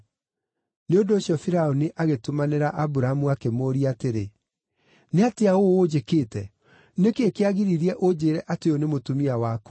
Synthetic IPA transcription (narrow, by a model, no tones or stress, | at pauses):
neondoːɕjɔfiɾaoniʔaɣetomaneɾaʔabuɾaamuakemoːɾiateɾe | neateaood͡ʒekeːtɛ | nekeːkeaɣiɾiɾiɛʔod͡ʑeːɾɛʔateonemotumiawako